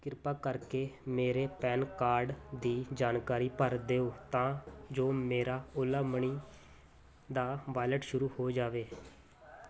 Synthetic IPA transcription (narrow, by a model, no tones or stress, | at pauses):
kɪɾpaːkəɾkeːmeːɾeːpɛːnkaːɾɖd̪iːd͡ʒaːnkaːɾiːpəɾd̪eːoːt̪ãːd͡ʒoːmeːɾaːʊlaːməɳiː | d̪aːʋaːɪləʈʃʊɾuːhoːd͡ʒaːʋeː